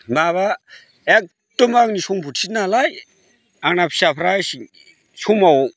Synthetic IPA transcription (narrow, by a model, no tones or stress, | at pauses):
maβa | ek̚ | tɯmaknisuŋbʰʱutʰit̚nalaj | aŋnapʰsapʰɾasi | sʰumaw